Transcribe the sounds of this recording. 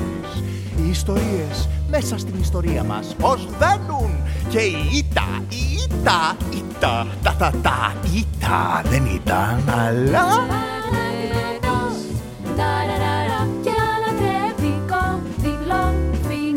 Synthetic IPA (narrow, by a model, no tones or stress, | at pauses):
es | iːst̪o̞ɾie̞sme̞sɐst̪inist̪o̞ɾiɐmɐ̰spozðenunce̞iit̪ɐ̰ | iit̪ɐit̪ɐt̪ɐt̪ɐt̪ɐ̰it̪ɐ̰ðenḭt̪ɐ̰nɐla | at̪os | d̪aɾɾaɾaclaðevikoðilovi